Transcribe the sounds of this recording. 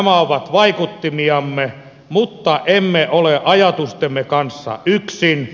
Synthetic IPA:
mæoʋɑt̪ʋɑikut̪ːimiɑmːe | mut̪ːɑʔemːeʔoleʔɑjɑt̪ust̪emːekɑnsːɑ̰ʔyksin

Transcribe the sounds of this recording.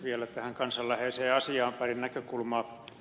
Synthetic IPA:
ʋielæt̪æhæŋkɑnsɑllæheːseːɑsiɑːmpærinnækøkulmɑː

